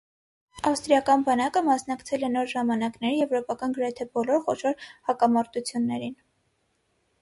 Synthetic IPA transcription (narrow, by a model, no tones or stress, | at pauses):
ɑfst̪ɾijɑkɑnbɑnɑkəmɑsnɑkt͡sʰɛlɛnɔɾʒɑmɑnɑknɛɾijɛvɾɔpɑkɑnɡəɾɛt̪ʰɛbɔlɔɾχɔʃɔɾhɑkɑmɑɾt̪ut͡sʰjunːɛɾin